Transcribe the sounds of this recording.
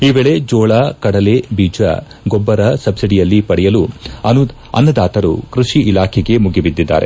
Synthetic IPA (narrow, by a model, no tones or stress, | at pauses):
iːbeːɭe̞d͡ʒɔːɭakɐɽɐle̞biːd͡ʒɐ̰ | ɡɔbːɐɾɐsɐbsiɖijɐlːipɐɽɛjɐluɐnu | ɐ̰nːɐd̪aːt̪ɐɾṵkɾuʂiʔilaːkʰɛɡe̞muɡibid̪ːid̪ːa̰ːɾe̞̰